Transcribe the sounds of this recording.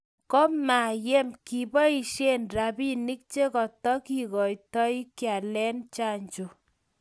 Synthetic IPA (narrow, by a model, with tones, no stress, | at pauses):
kɔ˦ma˨je˦mki˨bɔ˦i˦˨ʃe˦nra˨bi˦ni˦k̚t͡ʃe˦kɔ˨tɔ˦ki˨ɣɔ˨jtɔ˦i˦kja˨lɛ˦nt͡ʃa˦˨ɲt͡ʃo˨